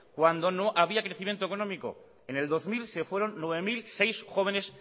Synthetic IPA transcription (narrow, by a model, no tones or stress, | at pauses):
kwand̪o̞no̞ʔaβ̞iakɾe̞θimje̞nt̪okonõ̞miko̞̰ | ene̞ld̪o̞zmilse̞fwe̞ɾo̞nːweβe̞milse̞jsxo̞βe̞ne̞s